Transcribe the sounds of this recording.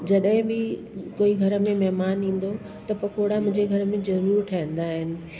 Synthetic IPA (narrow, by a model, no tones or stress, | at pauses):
d͡ʑɐɗɦɪ̃bɪ | koːiɡʱɐɾəmẽmɛɦmaːnĩːn̆d̪o | t̪ɐpɐkoːɽamʊ̃ɪ̃ɲd͡ʑeɡʱɐɾəmẽzɐɾuːɾʈʰɐɦɪ̃n̆d̪aːɦɪnɪ̆